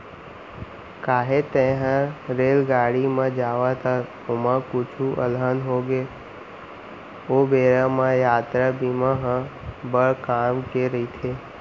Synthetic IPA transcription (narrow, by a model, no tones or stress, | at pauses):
kaːɦet̪ẽːɦə̃ɾeːlɡaːɽimẽd͡ʒaːʋat̪ʰa | ʊmə̃kʊt͡ʃʰuʔəlɦənɦoːɡe | oːbeːɾamãjaːt̪ɾabimãɦə̃bəɽkaːmkeɾəit̪ʰeː